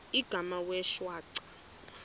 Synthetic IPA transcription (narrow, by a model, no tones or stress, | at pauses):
iɡ̥ʱamawɛʃwaːǀḁ